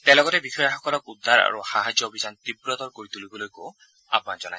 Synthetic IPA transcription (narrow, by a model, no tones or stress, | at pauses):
t̪ɛlɔɡɔtɛbixʰɔjaxɔkɔlɔkud̪ʱːaɾa̰ɹuxaɦad͡ʒjɔobʱid͡ʒant̪ibɾɔt̪ɔɹkoɹit̪ulibɔlojko | a̰pnad͡ʒɔna